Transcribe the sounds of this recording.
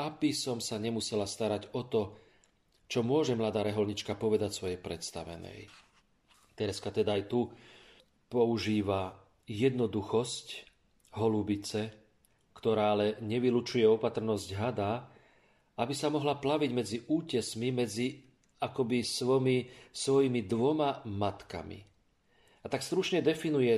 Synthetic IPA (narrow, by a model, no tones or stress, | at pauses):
abisɔmsaɲɛmusɛlast̪aɾaɟɔt̪ɔ | t͡ʃɔmʊɔʒɛmlad̪aːɾɛɦɔlɲit͡ʃkapɔʋɛd̪acsʋɔjɛjpɾɛt̪st̪aʋɛ̰nɛ̰j | t̪ɛɾɛskat̪ɛd̪aːajt̪u | pɔuʒiːʋa | jɛd̪nɔd̪uxɔsc | ɦɔlubit͡sɛ | kt̪ɔɾaːalɛɲɛʋilut͡ʃujɛɔpat̪r̩nɔzɟɦad̪aː | abisamɔɦlaplaʋiɟmɛd͡ziʔuːcɛsmimɛd͡zi | akɔbisʋɔmisʋɔjimid̪ʋɔmamat̪ka̰mḭ | at̪akst̪ɾut͡ʃɲɛd̪ɛfinujɛ